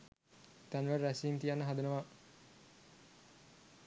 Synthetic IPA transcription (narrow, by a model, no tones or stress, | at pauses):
t̪ænʋəɾæsiːnt̪ijanːəɦad̪unəʋa